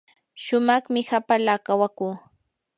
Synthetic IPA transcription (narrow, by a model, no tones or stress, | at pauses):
ʃʊmɑχmɪhapalaːkawakuː